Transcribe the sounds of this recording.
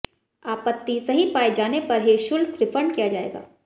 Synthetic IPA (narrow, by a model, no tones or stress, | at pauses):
aːpət̪ːisɐɦipaːid͡ʒaːnepɐɾɦiʃʊlkɾɪpʰə̃ɳɖkijad͡ʒaːḛːɡa̰ː